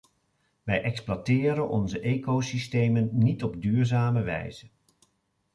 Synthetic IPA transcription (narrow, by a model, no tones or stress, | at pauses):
ʋɛjʔɛksplatɪːɾənɔnzəʔejkosistejmənːitɔbdyːɹzaːməʋɛ̰jz̥ən